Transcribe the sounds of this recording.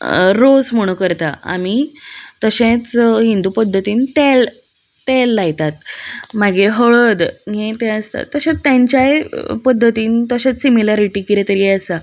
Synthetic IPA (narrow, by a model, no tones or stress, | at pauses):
ɾosm̤əɽ̃ukəɾt̪aa̰mit̪əɕẽt͡sɦind̪uːpəd̪ʱːət̪iːnt̪el | t̪elːajt̪at̪̚maɡiːɾɦəɭəd̪ɦẽt̪ẽəst̪a̰t̪ːəɕet͡st̪jaɲt͡ɕjaepəd̪ʱːət̪iːnt̪əɕẽt͡ssimilaɾiʈiːkiɾet̪əɾiːəsa